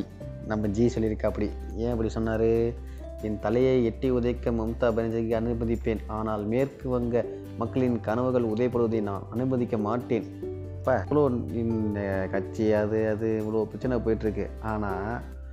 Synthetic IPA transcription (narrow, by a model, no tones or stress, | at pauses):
nɐmːɐd͡ʒiːsɔlːɪɾɯkːɐɐpːɐɽi | ẽːɐp̬ːɐɽisɔnːaːɾɯ | ɪnt̪ɐlɐjɐɪɛʈːiʊðɐɪkːɐmɐmt̪aːbɐnɐd͡ʒɐkɐnɯbɐðɪpːeːnaːnaːlmeːrkɯʋɐŋɡɐ | mɐkːɐɭɪnkɐnɐʋɯɣɐɭʊðɐjɐpːɐɽɯʋɐðɯnaːnɐnɯbɐðɪkːɐmaːʈːeːn | pːaːɐɭoːɪnɐkɐt͡ʃːiɐðɯɐðɯʋɭoːpɪɾɐt͡ʃːɪnɐp̬oːjɪʈːɾɯkːɯ̰ | aːnaː